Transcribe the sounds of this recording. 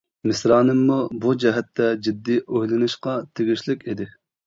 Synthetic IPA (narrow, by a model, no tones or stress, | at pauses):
mɪsɾɑːnɨmːubud͡ʒɛɦɛt̪ʰːɛd͡ʒid̪ːiʔohlˠɪnɨʃqɑt̪ʰeɡʲiʃlɪkʲed̪ɪ